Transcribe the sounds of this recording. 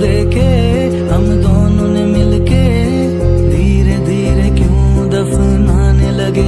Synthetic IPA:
ɾeːke | ɦɐmd̪oːnõnemɪlke | d̪ʱiːɾed̪ʱiːɾekjũd̪ɐfʰnaːnelɐɡe

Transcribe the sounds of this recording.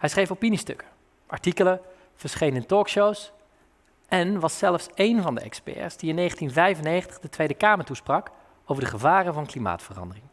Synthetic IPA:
hɛjsχrejfopinistɵ̰kə̥ | ʔɑ̰ɹtikələ | v̥əɹsχejnəntɔːkʃows | ʔɛnʋɑsːɛləfsejnvɑndə̰ɛ̰kspɛ̰ːɹsd̥iɪnːejχəntinvɛjvənejχəntə̥dətʋejdəkaːməɹtusprɑk | owvəɹdəχəvaːrəvɑnklima̰ːtfərɑ̰ndərɪŋ

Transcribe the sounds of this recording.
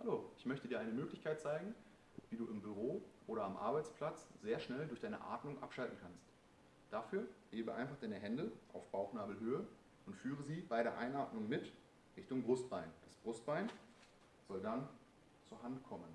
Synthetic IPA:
haloːʔɪçmœçtədiːɐʔaɪnəmøːklɪçkʰaɪt̚t͡saɪɡŋ̩ | viːduːɪmbyʁ̞oːʔoːɾɐamʔa̰ɐbaɪt͡spl̥at͡sz̥eːɐʃnɛldʊɐçd̥aɪnə̰ʔa̰ːtmʊŋʔa̰pʃaltn̩kʰanst | d̥afyːɐheːbəʔa̰ɪnfaχd̥aɪnəɦɛndəʔa̰ʊfb̥aʊxnaːbl̩ɦøːə | ʔʊntfyːʁəziːbaɪɾeːɐʔaɪnʔaːtnʊŋmɪt | ʁɪçtʊŋbʁʊst̚b̥aɪnd̥asb̥ʁʊst̚b̥aɪn | z̥ɔldan | t͡suːɐɦantkʰɔmən

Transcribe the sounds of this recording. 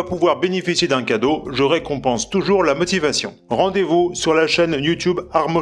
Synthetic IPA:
puvwaʁbenefisjed̪ɛ̃kad̪oʒəʁekɔ̃pɑ̃st̪uʒuʁlamɔt̪ivasjɔ̃ʁɑ̃d̪evusyʁlaʃɛnjut̪ybaʁmɔ

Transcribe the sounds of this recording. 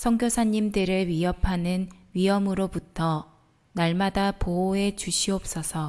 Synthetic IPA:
sʰʌŋɡjosʰaɲːimdɯɾɯɭɥiɦʌpʰanɯnɥiɦʌmɯɾobutʰʌ | naɭmadapooe̞t͡ɕuɕʰiʌp̚s͈ʌsʰʌ

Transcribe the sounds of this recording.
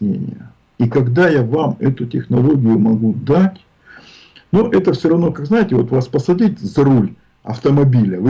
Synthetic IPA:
nʲḛnʲɪ̰jə | ikɐɡd̪ajavamɛt̪ʊtʲɪxnɐlˠo̞ɡʲɪjʊmɐɡud̪atʲ | nuʔɛt̪əfsʲoɾɐvno̞kaɡznajɪtʲɪvo̞t̪vaspəsɐdʲitʲzɐɾulʲ | ɐ̰ft̪əmɐbʲilʲəvɨ

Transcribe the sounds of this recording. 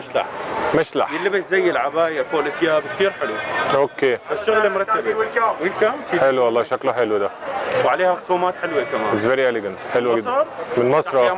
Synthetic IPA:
maʃla̰ħmɪʃla̰ħjɪlːɪbɪszajːɪlʕabaːjafoʔlɪt̪jaːbk̚t̪iːɾħɪlwaʔokːeːbaʃːʊɣlemʊɾˤɑt̪ːabwilkamħelwwɑlˤːɑːʃakluħɪlwd̪awʕaleːhaxsuːmaːt̪ħɪlwekamaːɪt̪sveɾielɪɡant̪ħɪlwɡdmɪnmɑsˤɾˤɑ

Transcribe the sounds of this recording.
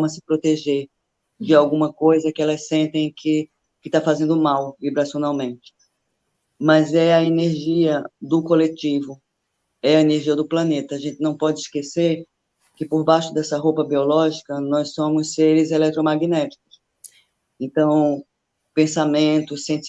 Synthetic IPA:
mɐsɪ̥pɾot̪eʒeɾ | d͡ʒɪawɡũmɐkojzɐkɪɛlɐssẽnt̪ẽj̃kʰɪ | kɪt̪afazẽnd̪ʊmawvibɾasjõnawmẽnt͡ʃɪ̥ | mɐzɛɐeneɾʒiɐd̪ʊkolet͡ʃivʊ | ɛɐeneɾʒiɐd̪ʊplɐ̃net̪ɐːʒẽnt͡ʃ̪ɪnɐ̃w̃pɔd͡ʒɪiskeseɾ | kɪpoɾbaʃʊd̪ɛsɐɦowpɐbiɔlɔʒikɐnɔjssõmʊsːeɾɪzelɛkt̪ɾomaɡinɛt͡ʃi̥kʊs | ẽnt̪ɐ̃w̃ | pẽsamẽt̪ʊsẽt͡ʃ

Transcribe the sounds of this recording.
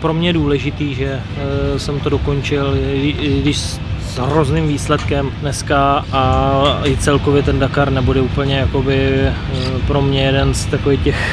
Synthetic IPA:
pɾo̞mɲɛjduːlɛʒɪt̪iːʒɛ | sɛmt̪o̞do̞ko̞nt͡ʃɪlɪɡdɪʃ | zɦɾoznɪmviːslɛt̪kɛmdnɛskaaɪt͡sɛlko̞vjɛt̪ɛndakaɾnɛbudɛuːpl̩ɲɛjako̞bɪ | pɾo̞mɲɛjɛdɛnst̪akovixcɛx

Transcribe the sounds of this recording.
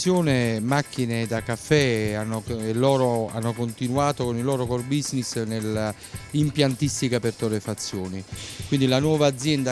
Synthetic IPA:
jɔːnemakʰːined̪akafːɛanːoelːɔːɾoa̰nːokont̪inuaːt̪okonilɔːɾokɔrbiznisnela | impjant̪ist̪ikapert̪ɔɾefat̪sːjɔːnikwind̪ilanwɔːvaːd̪zːjɛnd̪a

